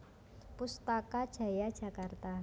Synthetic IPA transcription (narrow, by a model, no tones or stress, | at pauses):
pust̪akad̥ʒ̥a̤jad̥ʒ̥a̤kart̪a